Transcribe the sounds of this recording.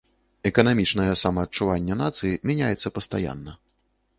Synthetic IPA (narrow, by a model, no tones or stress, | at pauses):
ɛkɐnamʲit͡ʂnɐjɛsamɐːtt͡ʂuvanʲːɛnat̪sɨjimʲanʲajɛt̪sːɐpɐst̪aja̰nːɐ